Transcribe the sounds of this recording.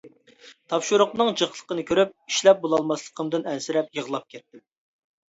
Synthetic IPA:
t̪ʰɑpʃuɾʊqnɨŋd͡ʒəχlˠə̥qənɨkʲʰøɾyp̚iʃlɛp̚bolˠɑlˠmɑslˠə̥qʰəmd̪ɨnɛnsɪɾɛp̚jəʁlˠɑp̚kʲʰɛt̪ːɪ

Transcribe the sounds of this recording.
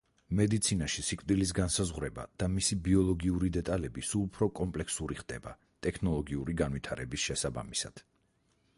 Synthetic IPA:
mɛd̪it̪sʰinaʃisikʼvd̪ilis̬ɡansazʁwɾɛba̰d̪̥amisibiɔlˠɔɡiuɾid̪ɛt̪ʼalɛbisulˠupʰɾɔkʼɔmpʼlɛkʰsuɾiχd̪̥ɛba̰ | t̪ʼɛkʰnɔlˠɔɡiuɾiɡanvwit̪ʰaɾɛbisʃɛsaba̰misad̪̥

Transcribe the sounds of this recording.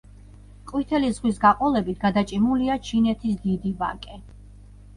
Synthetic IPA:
qʼwit̪ʰɛlizʁwisɡaqʼɔlɛbit̪ʰɡad̪at͡ʃʼimuliat͡ʃʰinɛt̪ʰisd̪id̪iva̰kʼɛ

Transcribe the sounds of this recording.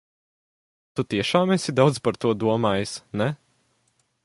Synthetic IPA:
t̪ut̪iɛʃaːmɛsid̪awd̪zpaɾt̪uɔd̪uɔmaːjsnɛ

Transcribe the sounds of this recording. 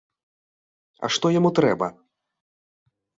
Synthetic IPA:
ɐ̰ʂt̪ɔjamut̪ɾɛbɐ̰

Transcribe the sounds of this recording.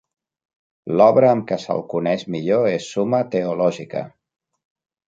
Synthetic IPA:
lɔβɾəːmkəsə̰lˠkunɛʃmiʎoesːumət̪əulɔʒikə̰

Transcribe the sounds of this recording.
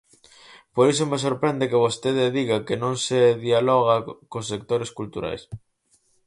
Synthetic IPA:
poɾis̬omes̬oɾpɾɛnd̪ekeβost̪eðeðiɣakenõŋseðialɔɣakosːek̚t̪oɾeskult̪uɾa̰js

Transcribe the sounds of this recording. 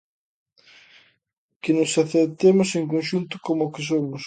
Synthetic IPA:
kɪnʊsaθeɾt̪emoseŋkonʃunt̪ʊ̥komokɪs̬omʊs

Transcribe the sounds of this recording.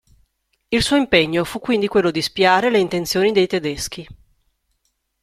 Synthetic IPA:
ilsuːoimpeɲːofukːwind̪ikwelːod̪ispiaːɾeleint̪ent̪sjoːnid̪ejt̪ed̪esk̟i

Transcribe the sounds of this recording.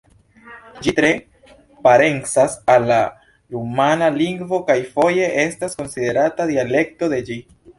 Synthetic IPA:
d͡ʒitɾe̞ | paɾe̞ŋsasalːa | ɾumanaliŋɡvo̞kajfo̞je̞ʔe̞stasko̞nside̞ɾatadiale̞k̚to̞de̞d͡ʒi

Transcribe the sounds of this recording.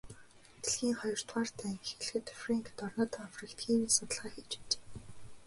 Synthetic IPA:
t̪ĕɮxiːŋχɔjɞ̆r̥t̪ʁaːr̥t̪ʰæːŋxɘ̆ɮxɘ̆t̪fraŋkt̪ɔrnɔːt̪aafrĭkt̪xiːmiːsʊt̪ə̆ɮʁaːxit͡ɕe̥t͡ɕe̥ː

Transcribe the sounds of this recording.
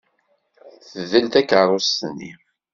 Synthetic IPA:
θəðəlt̪ækərˤːost̪ənːḭ

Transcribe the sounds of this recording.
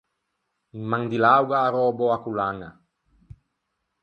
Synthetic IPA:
imaŋd̪ilawɡaːɾoboakulaŋa̰

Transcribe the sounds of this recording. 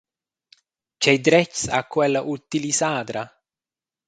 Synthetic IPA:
t͡ʃɛjd̪ɾɛt͡ʃːsa̰kːwɛlːaʔut̪ilisaːd̪ɾa

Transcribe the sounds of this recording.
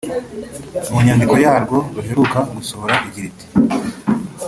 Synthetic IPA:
muɲaːndiko̞jaːɾɡo̞ɡuɦe̞ɾukaɡusohoɾaʔiɟiɾiti̥

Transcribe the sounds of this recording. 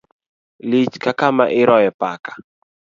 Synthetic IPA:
lit͡ʃkakama̰ʔɪɾɔjɛpakḁ

